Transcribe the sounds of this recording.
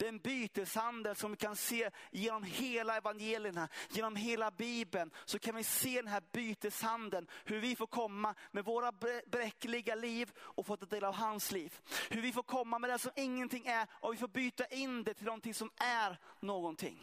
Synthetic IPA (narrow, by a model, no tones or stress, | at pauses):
d̪̥ɛnbyːt̪əshand̪ənsɔmvɪkʰanseːjeːnɔmheːlaɛvanjeːlɪəɳajeːnɔmɦeːlabiːbənsɔkʰanvɪseːd̪ɛnɦæːɾbyːt̪əshand̪ənhɵɾvɪfoːɾkʰɔmːamɛvoːɾabbɾɛkːəlɪɡaliːvɔfoːt̪ːad̪eːlavɦansliːvhɵɾvɪfoːɾkʰɔmːamɛd̪ɛsɔmɪŋːənt̪ʰɪŋːæɾʔɔvɪfoːɾbyːt̪aʔɪnd̪ɛt̪ʰɪlɔnt̪ʰɪŋsɔmæɾnoːɡɔnt̪ʰɪ̰ŋː